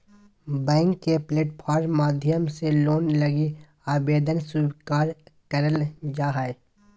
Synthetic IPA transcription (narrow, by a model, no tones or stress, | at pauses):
bɛ̃ːŋkːepleːʈpʰaːɾmaːd̪ʱjəmseloːnləɡi | aːbeːd̪ənsuːbkaːɾkəɾəld͡ʒaːɦae